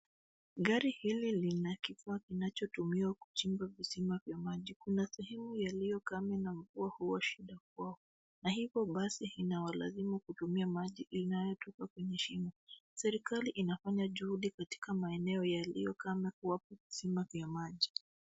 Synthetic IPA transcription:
ɠaɾihililinakifaːkinat͡ʃɔtumiwaku̥t͡ʃiŋbavisimavjamaʄikunasɛhɛmujalijɔkamɛnam̩vuahuwaʃiɗak̚waɔ | naɦivjɔɓasihinawala̰zimukutumiamaʄiʔinajɔtɔkakwɛɲɛʃimɔsɛɾikaliʔinafaɲaʄuhuɗikati̥kamaɛnɛɔjalḭjɔkamɛkuwapavisimavjamaʄi

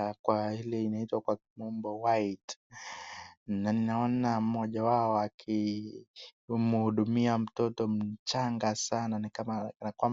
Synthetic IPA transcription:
kwahilɛinaitwakwamɔmbɔwajt | naninaɔnamɔʄawaɔakʰi | muhuɗumiam̩tɔtɔm̩t͡ʃaŋɡasananikamanakwam

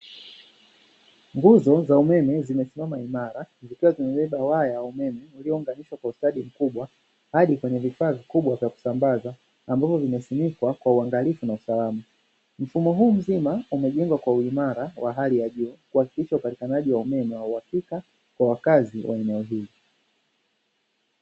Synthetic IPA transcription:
ŋɡuzɔzaumɛmɛzimɛsimamaimaɾazikiwazimɛɓɛɓawajawaumɛmɛuliɔuŋɡaniʃwakwaustaɗim̩kuɓwa | haɗikwɛɲɛvifaːvikuɓwavjaku̥sambazaː | mbavɔvimɛsinikwakwauaŋɡalifunausalama | m̩fumɔɦuːm̩zimaumɛʄɛŋɡwakwauimaɾawaɦalijaʄuːkuhaki̥kiʃaupati̥kanaʄiwaumɛmɛwauhakika | kwawakaziwʔaɛnɛɔɦili

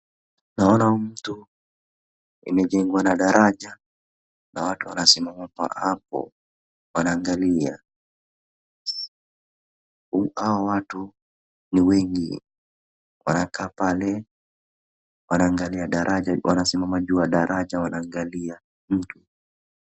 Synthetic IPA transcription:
naɔnaum̩tu | ḭmɛd͡ʒɛŋɡwanaɗaɾʔad͡ʒa | nawatuwanasimamapa̰ʔapɔ̰ | wanaːŋɡalia̰ | awawatu | niwɛŋɡi | wʔa̰nakaːpalɛ | wanaːŋɡaliaɗaɾʔad͡ʒawa̰nasimamad͡ʒuaɗaɾʔad͡ʒawanaːŋɡalia | m̩tu

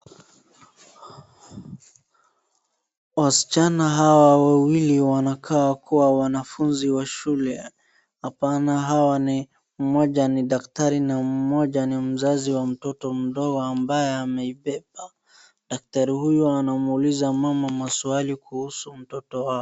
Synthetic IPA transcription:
wasi̥t͡ʃanaɦawawawiliwanakʰaakuwawanafunziwaʃulɛ | hapanaɦawani | m̩mɔʄaniɗaktaɾinam̩mɔʄanim̩zaziwam̩tɔtɔm̩ɗɔɡɔambajɛamɛipɛp̚a | ɗak̚taɾihujɔanamulizamamamasualikuhusum̩tɔtɔwaɔ

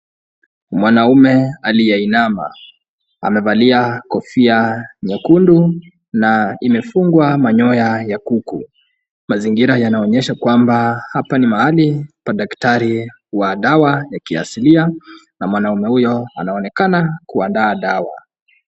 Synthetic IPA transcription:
mwanaumɛalijɛinama̰ | a̰mɛvaliakɔfiaɲɔkundu | naimɛfuŋɡwamaɲɔjajakuku | maziŋɡiɾajanaɔɲɛʃakwambahapanimahalipaɗaktaɾi | waɗawajakia̰silia | namwanaumɛhujɔa̰naɔnɛkanakuandaːɗawa̰

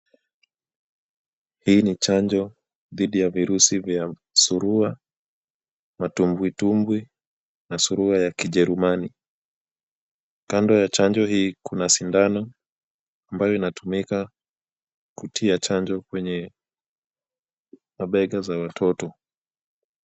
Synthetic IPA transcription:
hiːnit͡ʃaɲd͡ʒɔ | ðiɗijaviɾusivja | suɾua | matumbwitumbwi | nasuɾuhajakiʄɛɾumani | kandɔjat͡ʃand͡ʒɔɦiːkʰunasindanɔ | ambajɔinatʰumika | kutʰiat͡ʃaɲd͡ʒɔkwɛɲɛ | maɓɛɠazawatʰɔtɔ

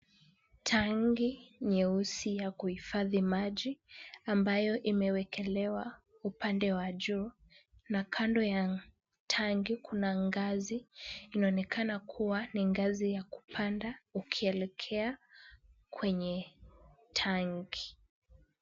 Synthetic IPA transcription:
tʰaŋɡiɲɛusijakuhifaðimaʄiambajɔʔimɛwɛkʰɛlɛwa | upandɛwaʄu | nakʰandɔja | tʰaŋɡikʰunaŋɡaziːnaɔnɛkʰanakʰuwaniŋɡazijaku̥pʰandaukʰiɛlɛkʰɛa | kwɛɲɛ | tʰaŋɡi

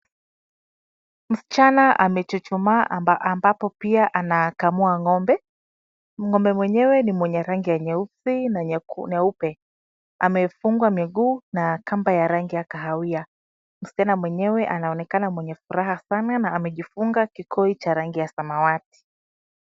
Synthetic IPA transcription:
m̩si̥t͡ʃanaʔamɛt͡ʃut͡ʃumaʔambapɔpiaʔanakamuaŋɔmbɛ | m̩ŋɔmbɛmwɛɲɛwɛnimwɛɲɛɾaŋɡijaɲɛusinaɲɲɛupɛ | amɛfuŋɡwamiɡuːnakambajaɾaŋɡijakaɦawia | m̩sit͡ʃanamwɛɲɛwɛʔanaɔnɛkanamwɛɲɛfuɾaɦasananaːmɛʄifuŋɡakikʰɔit͡ʃaɾaŋɡijasamawati̥

